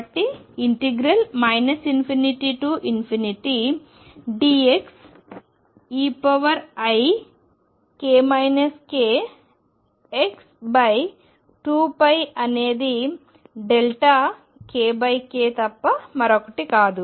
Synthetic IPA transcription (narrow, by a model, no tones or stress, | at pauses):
ʈːiiɳʈeɡɾɐlmɐjnɐsinpʰiniʈiʈuːʔinpʰiniʈi | ɖiːeks | iːpɐʋɐɾɐj | keːmɐjnɐskeː | eksbɐj | ʈuːpɐjɐne̞ːd̪i | ɖelʈa | keːbɐjkeːt̪ɐpːɐmɐɾokɐʈikaːd̪u